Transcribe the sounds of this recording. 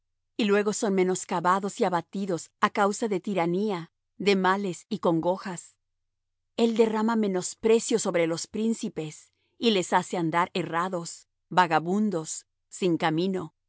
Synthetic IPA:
ilwe̞ɣo̞so̞nme̞no̞skaβaðo̞siaβat̪iðo̞sakawsaðe̞t̪iɾania | ðe̞male̞siko̞ŋɡo̞xas | e̞ld̪e̞ramame̞no̞spɾe̞sjo̞so̞βɾe̞lo̞spɾinsipe̞s | ile̞sase̞and̪aɾe̞raðo̞s | baɣaβũnd̪o̞sː | iŋkamĩno̞

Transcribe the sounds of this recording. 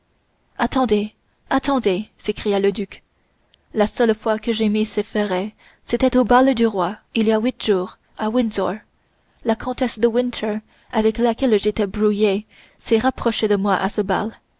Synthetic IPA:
at̪ɑ̃d̪e | at̪ɑ̃d̪esekχijaləd̪yk | lasœlfwakəʒemisefɛʁɛ | set̪ɛt̪obald̪yʁwailiawit̪ʒ̥uːʁ | awinzɔɹ | lakʰɔ̃t̪ɛsd̪əwɪ̃nt̪ʰə˞ | avɛklakʲɛlʒet̪ɛbʁuje | sɛʁapχɔʃed̪əmwaʔasəba̰l

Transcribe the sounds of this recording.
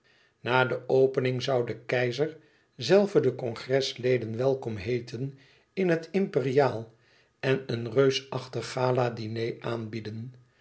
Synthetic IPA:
naːdəʔowpənɪŋzɑwdəkɛjzəɹ | zɛlˠvədəkɔŋχrɛslejdənʋɛlˠkɔmɦejtʰən | ɪnɦətɪmpɪrijaːlˠ | ɛnənrøɥsɑχtəχaːladinejʔaːnbidən

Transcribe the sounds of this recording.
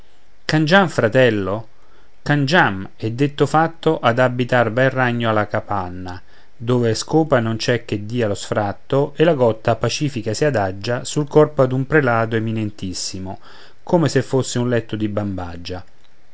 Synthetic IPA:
kand͡ʒamfɾat̪ɛlːo | kand͡ʒamɛd̪ːet̪ːofat̪ːoʔad̪abːit̪arbɛrːaɲːoalakapanːa | d̪oːveskoːpanont͡ʃɛkːed̪ːiːalosfɾat̪ːoelaɡɔt̪ːapat͡ʃiːfikasiad̪ad͡ʒːasulkɔrpad̪umpɾelaːd̪oeminent̪isːimo | koːmesefːosːɪunlɛt̪ːod̪ibambad͡ʒːa

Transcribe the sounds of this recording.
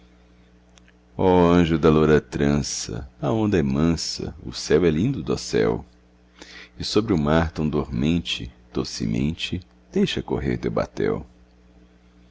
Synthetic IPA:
ɔɐ̃ʒʊd̪ɐloɾɐt̪ɾɐ̃sɐ̰ɐõnd̪ɐɛmɐ̃sɐ̰ʊ̰sɛwɛlĩnd̪ʊd̪ɔsɛ̰w | ɪsobɾɪʊmaɾt̪ɐ̃w̃d̪oɾmẽnt͡ʃɪd̪̥osḭmḛ̃nt͡ʃɪ | d̪̥ejʃɐkoɦḛɾd̪ewba̰t̪ɛ̰w

